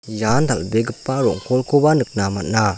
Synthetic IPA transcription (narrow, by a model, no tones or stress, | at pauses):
jand̪albeɡɯpːaɾɔ̰ŋkɔlkobanɯk̚namaʔ̚na